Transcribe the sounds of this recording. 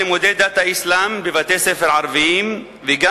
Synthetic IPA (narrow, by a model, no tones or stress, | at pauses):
emod̪ed̪at̪aislambevat̪esefeʁʕaʁviim | veɡa